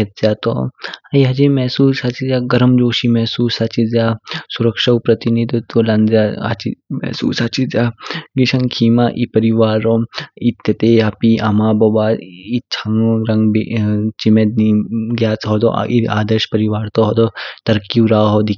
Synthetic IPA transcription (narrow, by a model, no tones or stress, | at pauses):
et̪̚zjaːt̪o̰ɐjɦɐt͡ʃimɛːsuːsɐt͡ʃid͡zjaːɡɐɾɐmd͡ʒoːʃimɛɦsuːsɐt͡ʃizjaːsuɾɐkʂaupɾɐt̪inid̪ot̪ulɐnzaɐ̰t͡ʃimɛ̰sṵːsɐt͡ʃizʲaɡiʃɐ̃ŋkʰiːmaʔipɐɾiʋaːɾoit̪jɐt̪eːɐpiʔamaːbɐbaːit͡ʃʰɐŋɾɐŋɡbet͡ʃimed̪niɡjaːt͡sɦɔd̪ɔ̰ʔia̰ːd̪ɐʃpɐɾiʋaːɾt̪oɦɔd̪ɔt̪ɐɾkiʋɾaːɦod̪i